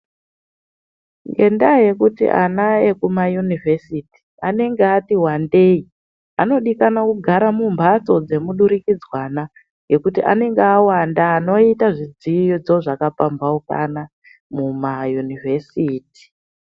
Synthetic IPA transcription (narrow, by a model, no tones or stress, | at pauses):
ŋɡe̞ndaje̞kutḭʔa̰naekumajunivʱe̞siti̥ | ane̞ŋɡeatiɦwandei | ano̞ɗikanakuɡʱaɾamumbat͡so̞d͡ze̞muɗuɾikid͡zwana | ŋɡe̞kutiʔa̰ne̞ŋɡeawandaːno̞itaʐid͡zijod͡zoʐakapambaokana | mumajunivʱe̞siːti̥